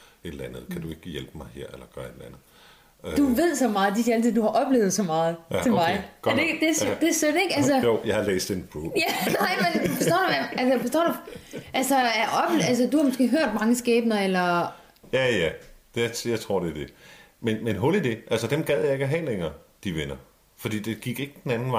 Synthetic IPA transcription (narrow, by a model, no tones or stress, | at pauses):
e̝d̥lænð̞̩ˠkʰæd̥ue̝ɡ̥əjelb̥əmɑ̈ɪɦḛɐ̰elɐɡ̥ɶɐed̥lænð̩ˠ | d̥uʋe̝ð̞̰ˠsɒ̽mɑ̈ːð̩ˠd̥iælt͡sʰið̩̰ˠd̥uhɑ̈ʔɒ̽b̥le̝ʊð̞̩ˠsɒ̽mɑ̈ːð̞̩ˠʰe̝mɑ̈ɪɡ̥ded̥ed̥e̝sød̥e̝ɡ̥æls̬əjoʊ̰jɑ̈ɪhɑ̈lḛːsd̥enbʰʁujænɑɪmmenfesd̥ɒ̰ːdumæælsəbɒsd̥ɒ̰duʔælsɒæɐʔɒ̽b̥læls̬əd̥uhɑ̈mosɡ̥e̝̰ːɦøɐ̰d̥̚mɑ̈ŋəsɡ̥ɛːb̥nɐelɐ | jæjæ̥ | jɑɪt͡sʰʁo̝ɐ̰d̥e̝æɐd̥e̝ | menmenɦolid̥e̝ʔælsəd̥emɡ̥ɛð̰ˠjɑ̈e̝ɡ̥æɦɛ̰ːleŋɐːd̥iʋenɐ | fɒd̥ḭːd̥e̝ɡ̥iɡ̥e̝ɡ̥əd̥enænn̩